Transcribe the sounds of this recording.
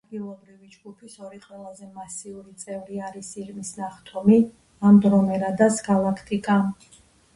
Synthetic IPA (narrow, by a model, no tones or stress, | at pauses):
ad̪ɡilˠɔbɾivid͡ʒɡupʰisɔɾiqʼwɛlˠazɛmasiuɾit̪sʼɛvɾiaɾisiɾmisnaχt̪ʰɔmi | amd̪ɾɔmɛɾad̪asɡalˠakʰt̪ʰʼikʼa